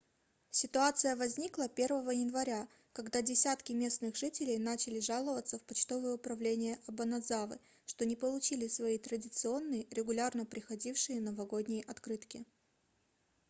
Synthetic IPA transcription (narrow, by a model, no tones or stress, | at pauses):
sʲɪt̪ʊat̪sɨjəvɐzʲnʲiklˠəpʲe̞rvəvəjɪnvɐɾʲa | kɐɡd̪adʲɪsʲat̪kʲɪmʲe̞snɨɣʐɨtʲɪlʲɪjnat͡ɕɪlʲɪʐalˠəvət̪səfpɐt͡ɕt̪o̞vəjəʊpɾɐvlʲenʲɪjəʔɐbənɐd̪zavɨ̰ | ʂt̪o̞nʲɪpəlˠʊt͡ɕilʲɪsvɐit̪ɾədʲɪt̪sɨo̞nːɨjəɾʲɪɡʊlʲarnəpɾʲɪxɐdʲifʂɨjənəvɐɡodʲnʲɪjʔɐt̪kɾɨt̪kʲɪ